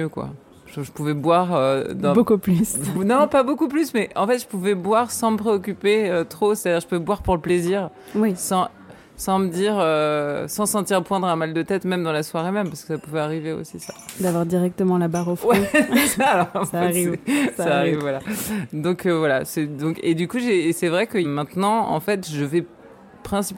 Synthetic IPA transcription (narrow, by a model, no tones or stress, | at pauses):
økwa̰ | ʒ̥ʒəpuvɛbwaʁød̪ɑ̃bokuplysnɔ̃pabokuplysmɛɑ̃fɛt̪ʒ̥əpuvɛbwaʁsɑ̃məpχeɔkʲypeøt̪χose̥t̪ad̪iʁʒəpuvɛbwaʁpuʁləpleziʁ | wɛsɑ̃ | sɑ̃məd̪iʁøsɑ̃sɑ̃t̪iʁpwɛ̃d̪ʁamald̪ət̪ɛt̪mɛmd̪ɑ̃laswaʁemɛmpaʁskə̥sapuvɛaʁiveo̰sisad̪avwaʁd̪iʁɛk̚t̪əmɑ̃labaʁofwɛaːlɔʁɛʁivɛsaːʁivvwalad̪ɔ̃kʰøvwalasɛd̪ɔ̃ked̪ykuʒeːsɛvʁɛkəmɛ̃t̪nɑ̃ɑ̰̃fɛt̪ʒəvɛ | pχɛ̃sip